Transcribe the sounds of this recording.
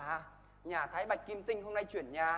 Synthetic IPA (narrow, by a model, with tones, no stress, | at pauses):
ɲaː˨˩t̪ʰaː˨˦jɓa˨˩jk̟̚ki˧mt̪ï˧ŋ̟ɦo˧mna˧jt͡ɕwi˧˩ənɲaː˨˩